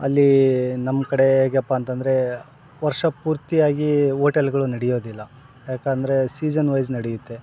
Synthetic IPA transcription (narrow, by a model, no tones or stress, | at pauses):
ɐ̰lːinɐmːkɐɽe̞eːɡɐpːaːnt̪ɐnd̪ɐɾe̞ | ʋɐɾʂɐpuːɾt̪ijaːɡiɦoːʈɐlɡɐɭunɐɽijo̞ːd̪ilːɐ | jaːkaːnd̪ɐɾe̞siːd͡ʒɐnʋɐjznɐɽijut̪ːe̞